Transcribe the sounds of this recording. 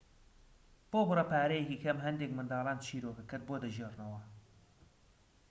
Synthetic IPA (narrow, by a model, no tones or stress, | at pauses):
b̥oːbɨrɐpʰaːɾɛjekikʰɐmɦɐnd̪eːkmɨnd̪ɑːlˠaːnt͡ʃʰiːɾoːkɐkɨɾd̪̚boːd̪ɐʒiernɐwɐ